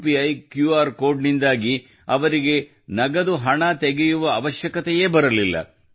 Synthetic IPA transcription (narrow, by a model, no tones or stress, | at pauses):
piɐjkjuaːɾko̞ːɾɖnind̪aːɡi | ɐʋɐɾiɡe̞ | nɐɡɐd̪uɦɐɳɐt̪eɡejuʋɐːʋɐʃjɐkɐt̪ɛjeːbɐɾɐlilːɐ̰